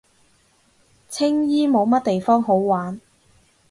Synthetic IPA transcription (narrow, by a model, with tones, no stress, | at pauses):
t͡sʰɪ˥ŋjiː˥mo˨˧wmɐ˥t̚t̪e˨jfɔː˥ŋɦo˨˥wwaː˨˥n